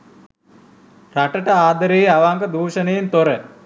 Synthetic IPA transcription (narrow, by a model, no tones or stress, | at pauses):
raʈəʈəaːd̪əɾejːaʋaŋkəd̪uːʃənejent̪oɾə